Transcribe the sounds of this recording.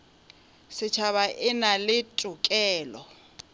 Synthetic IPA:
sɪt͡ʃʰaβaʔɪnalɪtʼʊkʼɛːlɔ

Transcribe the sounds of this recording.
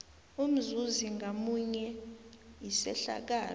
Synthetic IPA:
um̩zuziŋɡamuɲɛ | isɛɬa̰k̬aː

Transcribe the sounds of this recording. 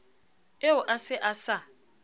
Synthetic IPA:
eʊʔasɪʔasa

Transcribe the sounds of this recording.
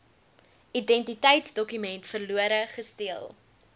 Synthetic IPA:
idɛntitɛjtsdɔkymɛntfərluəɾəχəstiəlˠ

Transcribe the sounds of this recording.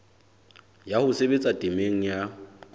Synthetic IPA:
jahʊsebet͡sʼatʼɪmeŋ̩ja

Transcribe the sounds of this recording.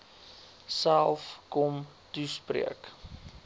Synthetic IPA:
sælˠfkɔm | tusprḭək

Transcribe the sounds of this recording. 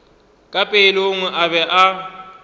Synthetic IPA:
kʼapʼeloŋɛʔabɛʔa

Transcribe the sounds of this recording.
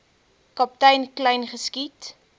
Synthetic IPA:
kɑp̚tɛjnklɛjnχəskit

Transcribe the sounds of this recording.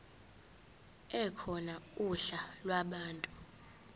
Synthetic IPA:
ɛkʰɔnauɬalwaɓaːntʼu

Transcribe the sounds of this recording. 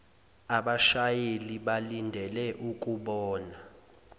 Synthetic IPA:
aɓaʃajeliɓalindʱɛlɛʔuk̬ʼuɓɔːna

